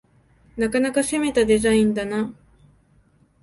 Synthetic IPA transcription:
nakanakase̞me̞t̪ad̪e̞zaĩnd̪ana

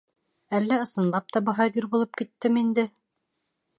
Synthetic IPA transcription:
ælːæɤ̆sɤ̆nlˠɑp̚t̪ɑbɤ̆ɦɑjd̪iɾbulˠɤp̚kit̪ːɘmind̪ɘ

